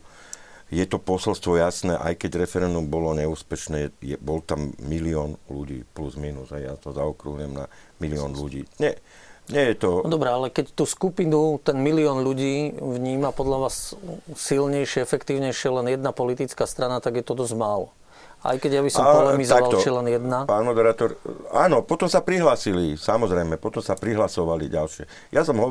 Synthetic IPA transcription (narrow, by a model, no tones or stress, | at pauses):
jɛt̪ɔpɔsɛlst̪ʋɔjasnɛʔa̰jkɛɟɾɛfɛɾɛnd̪umbɔlɔɲɛuːspɛʃnɛːjɛbɔlt̪amːiliɔːnluɟḭːpluzmiːnuzɦɛjja̰t̪ɔzaɔkɾuɦɲɛmna̰miliɔːnluɟḭːɲɛ | ɲɛjɛt̪ɔd̪ɔbɾɛalɛkɛct̪uːskupinut̪ɛnmiliɔːnʎuɟiːvɲiːmapɔd̪ʎaʋaːsː | ilɲɛjʃɪɛɛfɛkt̪iːʊɲɛjʃɪɛlɛnjɛd̪napɔlit̪it͡skaːst̪ɾanat̪aɡjɛt̪ɔd̪ɔzmaːlɔ | a̰jkɛɟjabisɔmpɔlɛmizɔaʋaalt͡ʃɛlɛnjɛd̪napaːnmɔd̪ɛɾaːt̪ɔɾaːnɔpɔt̪ɔmsapɾiɦlaːsilisamɔzɾɛjmɛpɔt̪ɔmsapɾiɦlasɔʋaliɟalʃɪɛ | jasɔmɦɔ